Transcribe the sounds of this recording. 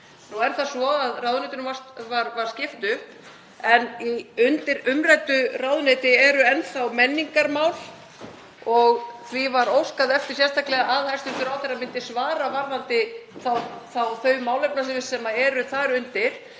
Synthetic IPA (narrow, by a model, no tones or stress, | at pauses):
nuɛɾ̥θasvɔaðrawðnejt̪ʏnʏvast̪vaɾvaɾ̥scɪft̪ʏhp | ɛniʏnt̪ɪɾʏmrajt̪ʏrawðʏnet̪ɪɛɾʏɛnθawmɛnːiŋkaɾmaːwl̥ | ɔɣθvivaɾowskaðɛft̪ɪ̥sjɛ̥st̪ʰaklɛɣaaðhajst̪ɪ̥t̪ʏɾawt̪ɪɾamɪnt̪ɪ̥svaːɾavaɾðant̪ɪθawθawθœɥvmaːwlɛpnasɪvɪsɛmaɛɾʏθaɾʏnt̪ɪɾ̥